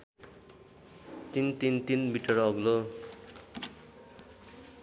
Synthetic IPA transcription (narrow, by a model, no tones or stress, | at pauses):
t̪int̪int̪inmiʈʌrʌɡlo